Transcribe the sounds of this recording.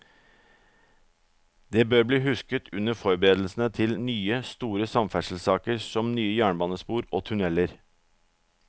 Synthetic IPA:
d̪eːbøːɾbliːhʉskət̪ʰʉnəɾfɔɾbəɾeːd̪l̩sn̩ət̪ʰɪlnyːəst̪uːɾəsɑmfæʂl̩sɑːkəɾsɔmnyːəjæːɳəbɑːnəspuːɾoːt̪ʰʉnɛləɾ

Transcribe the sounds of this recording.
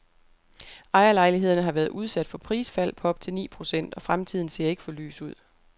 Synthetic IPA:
ɑ̈ɪɐlɑ̈ɪliɦe̝ð̞̰ˠɐnəɦɑ̈ʋæːɐðˠuð̞ˠsæd̥fɒ̽pʰʁiːsfæl̰pʰɒ̽ɒ̽b̥̚t͡sʰe̝lnḭːpʰʁo̝sen̰d̥ɒ̽fʁamt͡sʰið̰ˠn̩se̝̰ɐ̰e̝ɡ̥əfɒ̽ly̰ːsuð̞̰ˠ

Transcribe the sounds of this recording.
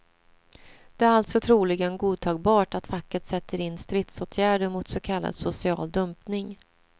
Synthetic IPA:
d̪̥ɛæɾalt̪sɔt̪ʰɾuːlɪɡənɡuːd̪̚t̪ʰɑːɡ̚bɑːʈat̪fakːət̪sɛt̪ːəɾɪnːst̪ɾɪt̪soːt̪ʰjæːɖəɾmʊt̪sɔkʰalːa̰d̪sʊsɪɑ̰ːld̪ɵmpnɪŋ

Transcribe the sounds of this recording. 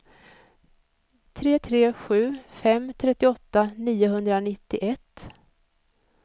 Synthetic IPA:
t̪ʰɾeːt̪ʰɾeːɧʉ̟ːfɛmːt̪ʰɾɛt̪ːɪɔt̪ːaniːʊɦɵnd̪ɾanɪt̪ːɪʔɛt̪ː

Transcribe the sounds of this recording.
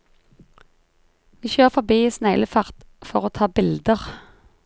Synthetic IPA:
ʋiːçøːʁfɔbiːiːsnæɪləfɑʁt̪fɔʁoːt̪ʰɑːbɪld̪əʁ

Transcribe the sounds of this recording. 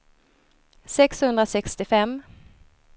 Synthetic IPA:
sɛkshɵnd̪ɾasɛkst̪ɪfɛmː

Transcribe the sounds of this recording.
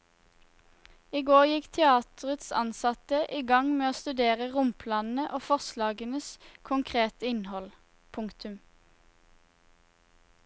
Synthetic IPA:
iɡoːʁjɪkt̪ʰɛɑːt̪əʁət̪sɑ̰nsɑt̪əʔiːɡɑŋmeːoːst̪ʉd̪eːʁəʁʊmpʰlɑːnn̩əʔoːfɔʁslɑːɡənəskʰʊŋkʰʁeːt̪əɪnhɔl | pʰʊŋkt̪ʉm

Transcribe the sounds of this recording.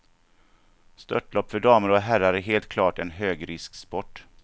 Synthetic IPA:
st̪œ̰ʈlɔpːfœɖɑːməɾɔɦæɾaɾæɾɦeːlt̪̚kʰlɑːʈɛnɦøːɡɾɪskspɔʈː

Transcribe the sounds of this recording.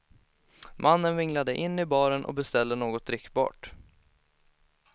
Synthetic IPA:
mʔanːənvɪŋlad̪əʔɪnːɪbɑːɾənʔɔ̰bɛst̪ɛld̪ənoːɡɔt̪̚ɾɪkːbɑ̰ːʈ

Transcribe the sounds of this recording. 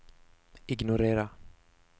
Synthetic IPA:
ɪɡnɔɾeːɾa

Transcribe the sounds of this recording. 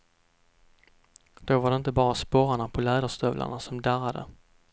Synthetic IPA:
d̪̥ovaɖɛɪnt̪əbɑːɾaspɔːɾaɳapʰɔlɛːd̪aʂt̪œvlʔa̰ɳasɔmd̪æɾad̪ə̰

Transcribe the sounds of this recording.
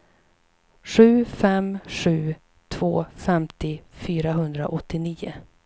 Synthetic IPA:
ɧʉ̟ːfɛmɧʉ̟ː | t̪ʰv̥oːfɛmt̪ɪfyːɾaɦɵnd̪ɾa̰ʔɔt̪ːɪniːʊ̰

